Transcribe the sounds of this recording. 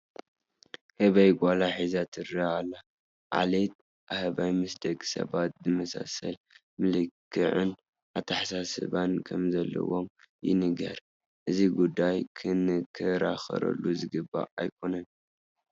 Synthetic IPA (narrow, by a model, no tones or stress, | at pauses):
hɨβɐjɡʷʼalaħizat̪ʰɨɾaalːa | ʕa̰let̪̚ | ʔahɨβajmɐsd̪ɐkʼsɐ̰βat̪̚zɨmɐsa̰sɐ̰l | mɨlɨkʰːɨʕɨn | ʔat̪ʰaħasasɨ̰βankʰɐmzɐlːɐ̰wom | jɪ̰nɨɡɐɾ | ʔɨziɡud̪ːajkʰɨnɨkʰɨɾaxɐ̰ɾɐ̰lːuzɨɡɨbːa̰ajkʰo̞nɐn